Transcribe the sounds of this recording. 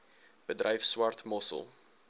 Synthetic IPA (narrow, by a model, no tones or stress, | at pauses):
b̥ədrɛjfswɐrtmɔsə̰lˠ